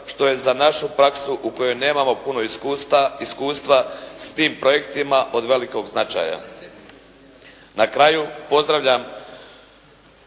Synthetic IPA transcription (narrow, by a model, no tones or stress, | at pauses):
ʃt̪o̞je̞zanaʃupɾaksuʔuko̞jo̞jne̞ːmamo̞puno̞ | iskuːst̪ʋast̪iːmpɾo̞je̞kt̪imaʔo̞d̪ʋe̞liko̞ɡznat͡ʃa̰ːja̰ | nakɾajupo̞zd̪ɾaʋʎam